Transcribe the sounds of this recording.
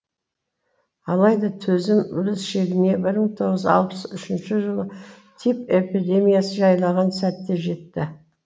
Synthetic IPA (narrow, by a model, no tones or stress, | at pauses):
ɑlˠɑjd̪ɑt̪ʰɵzɪmʊɾɪsʃe̞ɡʲɪne̞bɪɾməɴt̪ʰo̞ʁəzɑ̰lˠpəsʏʃɪnʃɪʒəlˠə | t̪ʰipe̞pid̪e̞mijasəʒɑjlˠɑʁɑnsæt̪ːe̞ʒe̞t̪ːɪ